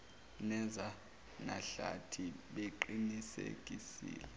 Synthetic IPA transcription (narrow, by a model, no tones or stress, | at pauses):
nɛza | naɬa̰tʰiɓeǃinisḛɡ̥ʼisḭːlɛ